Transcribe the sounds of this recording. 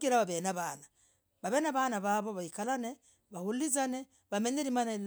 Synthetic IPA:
ɡiɾaβaβenaβana | βaβenaβanaβaβoβaikalane | βahulizane | βameɲeɾimanal

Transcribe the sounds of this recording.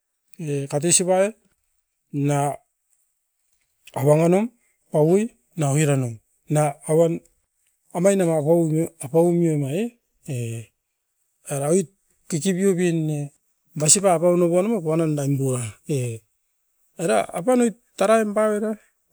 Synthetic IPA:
ekat̬esipae | na | awaŋanom | pawoj | naohiɾanom | naːwan | amajnamapaapawumiomae | e | eɾaojt̚ | kikibiobenːe | basipapawnoβonomapaanandajmbuae | eɾaapanojtː | aɾaembaweɾa

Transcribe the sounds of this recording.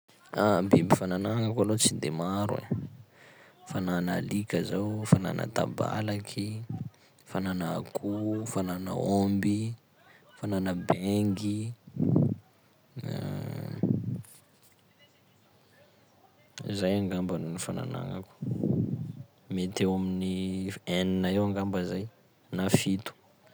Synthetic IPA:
abimbifananaŋakalot͡sind̪emaɾuḛ | fananəlikʲəzawfana̰nʔə̰t̪a̰ba̰lakʰi | fananəakʰufananə̰ombi | fananəbɛŋɡi | zajaŋɡambanunifana̰na̰ŋa̰ku̥ | met̪ewaminieninaewaŋɡambəzaj | nafit̪u̥

